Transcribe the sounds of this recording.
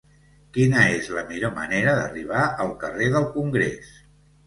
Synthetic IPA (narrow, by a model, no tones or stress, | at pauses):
kinəezləmiʎomə̰neɾəðə̰riβ̞aəlˠkəreðəlˠkuŋɡɾḛs